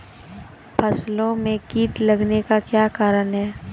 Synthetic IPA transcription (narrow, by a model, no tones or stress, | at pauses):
pʰɐslõmẽkiːʈ̪ləɡnekakjaːkaːɾənɦɛː